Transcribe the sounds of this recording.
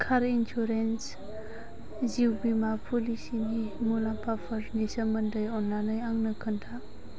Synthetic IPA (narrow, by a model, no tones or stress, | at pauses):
kʰaɾinsuɾens | ziwbimapʰulisinimulampʰapʰəɾnisəməndəjɔnːanɯjaŋnəkʰɯntʰa